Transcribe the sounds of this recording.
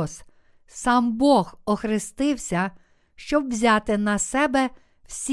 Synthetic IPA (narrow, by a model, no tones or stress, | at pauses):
s | sɑmbɔɣɔxɾɪst̪ɪwsʲɐ | ʃt͡ʃɔbwzʲɑt̪ɪnɐsɛbɛ | wsʲ